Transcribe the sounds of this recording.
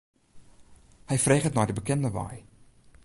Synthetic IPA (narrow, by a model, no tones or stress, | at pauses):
hɛjfreːχətnɔjdəbəkɛndəʋa̰j